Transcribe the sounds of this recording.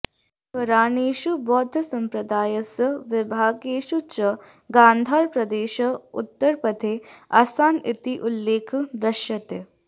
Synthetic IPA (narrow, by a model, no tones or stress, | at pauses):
pɐɾaːniːʃubɔːd̪ʱɐsɐmpɾɐd̪aːjɐsɐʋɪbʱaːɡeːʃut͡ʃɐ | ɡãːnd̪ʱaːɾpɾɐd̪eːʃɐʊ̰t̪ːəɾpɐt̪ʰeːa̰ːsaːnit̪iʔulːeːkʰd̪ɾɐʃjɐt̪e